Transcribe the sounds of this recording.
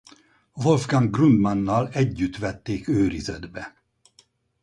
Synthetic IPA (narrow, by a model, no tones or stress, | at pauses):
volvɡaŋɡrund̪mɑnːɒlɛɟːyt̪ʋɛt̪ːeːkøːɾizɛd̪bɛ